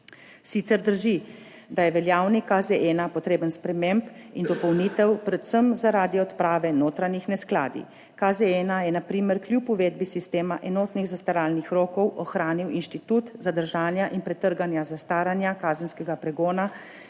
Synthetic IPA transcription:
sit̪sɛɾd̪əɾʒi | d̪ajɛʋɛljaːwnikazeʔɛːnapɔt̪ɾeːbənspɾɛmempind̪ɔpɔwniːt̪ɛwpɾɛt̪səmzaɾaːd̪iɔt̪pɾaːʋɛnoːt̪ɾanixnɛskla̰ːd̪ḭ | kazeɛnajɛnapɾiːmɛɾkljupuʋeːd̪bisist̪eːmaʔɛnoːt̪niɣzast̪aɾaːlnixɾoːkɔwʔɔxɾaːniwinʃt̪it̪ut̪zad̪əɾʒaːnjaʔinpɾɛt̪əɾɡanjazast̪aːɾanjakaːzənskɛɡapɾɛɡoːna

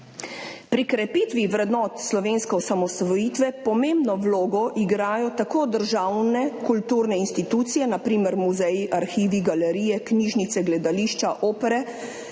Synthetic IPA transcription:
pɾikɾɛpiːt̪ʋiʋɾɛd̪nɔːt̪slɔʋeːnskɛɔsamɔsʋɔjiːt̪ʋɛpɔmẽmbnɔʋloːɡɔʔiɡɾaːjɔt̪akoːd̪əɾʒawnɛkult̪uːɾnɛinst̪it̪uːt̪sijɛnapɾiːmɛɾmuzɛjiʔaɾxiːʋiɡalɛɾiːjɛkniːʒnit̪sɛɡlɛd̪aliːʃt͡ʃaʔoːpɛɾɛ

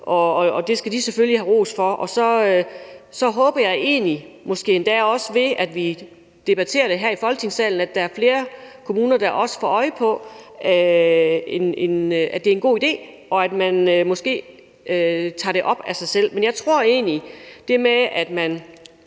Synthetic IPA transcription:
ʔɒ̽ːd̥e̝sɡ̥æd̥iseføljiɦæʁo̰ːsfɒ̽ʔɒ̽sɒ̽ | sɒ̽ɦɔ̽ːb̥ɐjɑ̈ɪe̝̰ːni | mɒ̽sɡ̥e̝̰ːend̥ɛ̰ːɒ̽səʋe̝æd̥ʋi | d̥e̝b̥æt͡sʰe̝̰ːɐɾ̥e̝ɦæɐ̰ifɒ̽lɡ̥ət͡sʰe̝ŋsɛ̰ːln̩æd̥ææɐfle̝ːɐkʰo̝muːnɐd̥ɑ̈ʔɒ̽sə̥fɒ̰ːɒ̽ɪpʰɒ̽ | enenæd̥e̝ɐe̝nɡ̥o̝̰ːid̥e̝̰ː | ɒ̽æd̥mænømɒ̽sɡ̥e̝̰ː | t͡sʰɑ̰̈ːɾ̥e̝ʔɒ̽b̥æsɑ̈ɪsel̰menjɑ̈ɪt͡sʰʁo̝ɐ̰e̝̰ːnid̥e̝meæd̥mæn

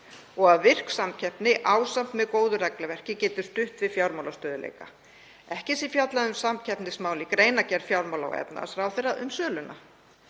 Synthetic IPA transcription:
ɔɣaðvɪr̥ksamcʰɛhpnɪʔaːwsam̥t̪mɛðkoːwðʏrɛklavɛr̥cɪcɛːt̪ʏ̥st̪ʏhpvɪðfjawɾmawlast̪œːðʏlḛːjka̰ | ɛhcɪsifjat̪laðʏmsamcʰɛhpnɪsmaːwlɪkɾeːjnacɛɾfjawɾmawla̰wɛ̰pna̰a̰sɾaːwθejrːaʔʏmsœːlʏnʔa̰

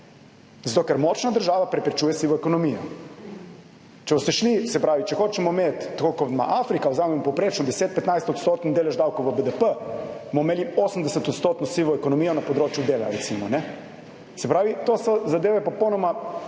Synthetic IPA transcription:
zat̪oːkɛɾmot͡ʃnad̪əɾʒaːʋapɾɛpɾɛt͡ʃujɛsiʋɔɛkonɔmijɔ | t͡ʃɛbost̪ɛʃlisɛpɾaːʋit͡ʃɛxoːt͡ʃɛmɔmet̪ːakokoʋma̰ʔafɾikawzaːmɛmpowpɾeːt͡ʃnɔd̪ɛseːt̪̚pɛt̪najst̪ɔt̪st̪oːt̪nd̪eːlɛʒd̪awkowʋəbəd̪əpəmomelioːsmd̪ɛsɛt̪ɔt̪st̪oːt̪nɔsiʋɔɛkonɔmiːjɔnapod̪ɾoːt͡ʃjud̪eːla̰ɾɛt̪simɔnɛ | sɛpɾaːʋit̪oːsɔzad̪eːʋɛpopownɔma

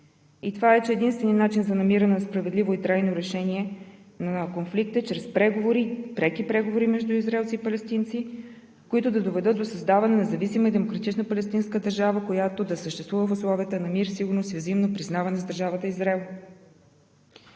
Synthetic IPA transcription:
it̪ovaɛt͡ʃɛɛd̪inst̪vɛnijənat͡ʃinzɐnɐmiɾɐnɛnɐspɾɐvɛd̪lʲivoit̪ɾajnoɾɛʃɛniɛ | nɐkonflik̚t̪ət͡ʃɾɛspɾɛɡovoɾipɾɛkipɾɛɡovoɾimɛʒd̪uizɾaɛlˠt̪sipɐlɛst̪int̪si | koit̪ʊd̪ɐd̪ovɛd̪ɤt̪̚d̪osɐzd̪avɐnɛnɛzɐvisiməid̪ɛmokɾɐt̪it͡ʃnəpɐlɛst̪inskəd̪ɐɾʒavəkojat̪od̪ɐsəʃt̪ɛst̪vuvəfʊslˠɔvʲijət̪ənɐmiɾsiɡʊɾnosizimnopɾiznavɐnɛzd̪əɾʒavət̪əizɾaɛlˠ

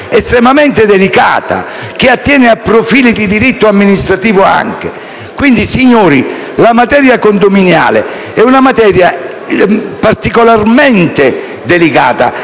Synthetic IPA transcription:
ɛst̪ɾɛmamɛnt̪ed̪elika̰ːt̪a̰ | k̟ɪat̪ːjɛːnɪapːɾofiːlid̪id̪iɾit̪ːʊamːinist̪ɾat̪iːvʊa̰ŋk̟ḛ | kwind̪isiɲːoːɾi | lamat̪ɛːɾjakond̪ominja̰ːlḛ | ɛunamat̪ɛːɾja | paɾt̪ikolarmɛnt̪e | d̪elika̰ːt̪a̰

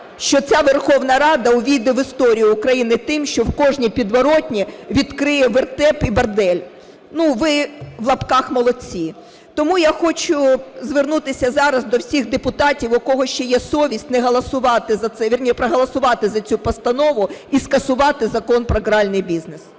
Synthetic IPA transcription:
ʃt͡ʃɔt͡sʲaʋerxɔwnɐɾɑd̪ɐʊʋʲid̪ɪʋɪst̪ɔɾʲijʊːkɾɐjinɪt̪ɪmʃt͡ʃɔwkɔʒnʲipʲid̪ʋɔɾɔtʲnʲiʋʲid̪kɾɪjɛʋert̪ɛpibɐrd̪ɛlʲ | nuʋɪʋlˠɐpkɑxmɔlˠɔt͡sʲi | t̪ɔmujaxɔt͡ʃʊzʋernut̪ɪsʲɐzɑɾɐzd̪ɔwsʲixd̪epʊt̪ɑtʲiwɔkɔɦɔʃʲt͡ʃɔjɛsɔʋʲisʲtʲnɛɦɐlˠɐsʊʋɑt̪ɪzɐt̪sɛʋʲirnʲipɾɐɦɐlˠɐsʊʋɑt̪ɪzɐt͡sʲupɔst̪ɐnɔʋʊiskɐsʊʋɑt̪ɪzɐkɔnpɾɔɡɾɑlʲnɪjbʲiznes

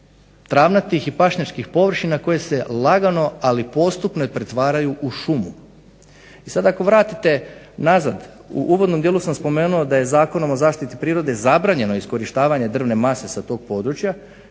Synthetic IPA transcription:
t̪ɾaːʋnat̪ixipaʃɲat͡ʃkixpo̞ʋr̩ʃinako̞je̞se̞lˠaɡano̞alipo̞st̪upnopɾet̪ʋaːɾajuʔuʃumu | isad̪aako̞ʋɾaːt̪it̪e̞ | naza̰d̪ | ṵʔuːʋo̞d̪nomd̪jelusamspo̞me̞ːnuod̪aje̞zaːko̞no̞mo̞zaːʃt̪it̪ipɾiːɾo̞d̪e̞zabɾaːɲe̞noisko̞ɾiʃt̪aːʋaɲe̞d̪r̩ʋne̞mase̞sat̪o̞ːɡ̥̚po̞d̪ɾut͡ʃja

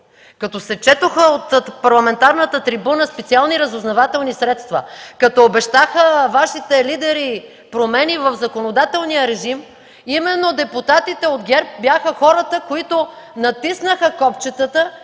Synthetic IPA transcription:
kɐt̪ɔsɛt͡ʃɛt̪oxəot̪pɐɾlˠɐmɛnt̪aɾnət̪ət̪ɾibunəspɛt̪sialˠniɾəzoznɐvat̪ɛlˠnisɾɛt̪st̪və̰kɐt̪ɔobɛʃt̪axəvaʃit̪ɛlid̪ɛɾi | pɾomɛnivəfzɐkonod̪at̪ɛlˠnijəɾɛʒim | imɛnːod̪ɛput̪at̪it̪ɛod̪ɡʲɛɾp̚bʲjaxəxɔɾət̪əkoit̪onɐt̪isnəxəkɔpt͡ʃɛt̪ət̪ə

